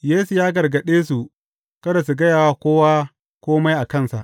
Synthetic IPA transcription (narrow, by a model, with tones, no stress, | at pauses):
jeː˦su˨jaː˦ɡɐ˨rɡɐ˨ɗeː˦su˨ | kɐ˦da˨s̬u˨ɡɐ˦jaː˨waː˦kʷoː˦waː˦ | kʷoː˦ma˦jʔa˨kɐ˦˨nsa̰˨ʔ